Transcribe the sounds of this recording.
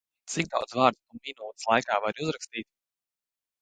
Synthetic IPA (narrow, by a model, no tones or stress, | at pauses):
t̪sik̚d̪a̰wd̪zvaːɾd̪t̪uminuːt̪slˠajkaːvaɾuzɾakst̪iːt̪̚